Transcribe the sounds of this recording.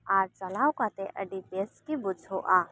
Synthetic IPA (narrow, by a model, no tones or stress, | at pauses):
aːɾt͡ʃəlaːwkat̪ẽʔəɖipeskibʊd͡ʒʱɦoʔa